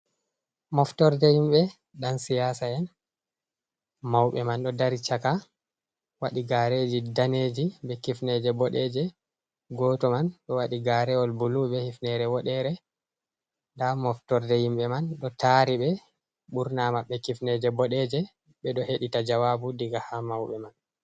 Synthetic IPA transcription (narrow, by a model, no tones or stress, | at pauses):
mɔftɔɾdɛhimɓɛ | ɗansijasaɛn | mawɓɛmanɗɔdaɾit͡ʃaka | waɗiɡaɾed͡ʒidaned͡ʒiɓɛkifnɛd͡ʒɛbɔɗɛd͡ʒɛ | ɡɔtɔmanɗɔwaɗiɡaɾɛɔlbulubɛhifnɛɾɛwɔɗɛɾɛ | damɔftɔɾdɛhimɓɛmanɗɔtaɾiɓɛ | ɓuɾnamaɓːɛkifnɛd͡ʒɛbɔɗɛd͡ʒɛ | ɓɛɗɔheɗitad͡ʒawabudiɡahamawɓɛman